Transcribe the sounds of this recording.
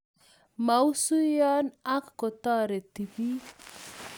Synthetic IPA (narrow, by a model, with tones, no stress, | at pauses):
ma˨u˦su˦jɔ˦na˦kko˨t̪ɔ˦ɾe˨t̪i˨pi˦